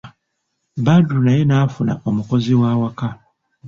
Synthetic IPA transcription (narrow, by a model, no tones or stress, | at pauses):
badunajenafuna̰ʔomukoziwaːwaka